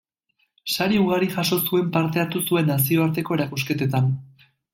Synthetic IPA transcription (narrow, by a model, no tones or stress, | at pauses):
saɾiuɣaɾiʝaso̞sue̞mpaɾt̪e̞aɾt̪usue̞nːasio̞aɾt̪e̞ko̞e̞ɾakuske̞t̪et̪an